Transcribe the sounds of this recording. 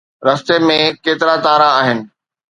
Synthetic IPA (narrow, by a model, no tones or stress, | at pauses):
ɾɐst̪emẽkeːt̪ɪɾat̪aːɾaaːɦɪnɪ̆